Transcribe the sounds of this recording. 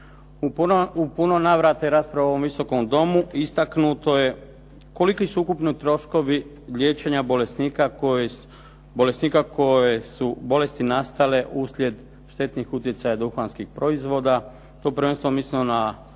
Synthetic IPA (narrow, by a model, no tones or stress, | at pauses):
upuno̞naʋɾat̪eɾaːspɾaʋoaʋomʋiso̞ko̞md̪o̞muist̪aknut̪o̞je̞ | ko̞likisuukupnit̪ɾo̞ʃko̞ʋi | lje̞ːt͡ʃe̞ɲabolest̪nika | bo̞lesnikakojesubo̞le̞st̪inast̪ale̞ʔuslʲje̞d̪ | ʃt̪e̞t̪nixut̪je̞t̪sajad̪uxanskixpɾo̞izʋo̞ːd̪a | t̪opɾʋenst̪oomislinona